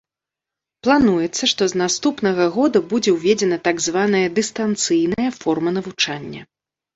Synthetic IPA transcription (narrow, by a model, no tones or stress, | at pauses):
plˠanujɛt̪sːɐʂt̪ɔznast̪upnɐɣɐɣɔd̪ɐbud͡zʲɛwvʲɛd͡zʲɛnɐt̪aɡzvanɐjɐd̪ɨst̪ant̪sɨjnɐjɐfɔrmɐnɐvut͡ʂanʲːɐ̰